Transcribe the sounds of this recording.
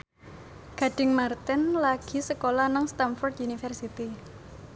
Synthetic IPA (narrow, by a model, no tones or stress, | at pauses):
ɡ̥a̤ɖ̥ɪ̤ŋmart̪ɛnlaɡ̥i̤səkolanaŋst̪anfɔrd̪unifərsit̪i